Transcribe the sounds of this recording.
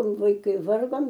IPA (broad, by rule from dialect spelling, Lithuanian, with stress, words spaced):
ʋɐɪˈkɐɪ ˈʋɐrɡoːm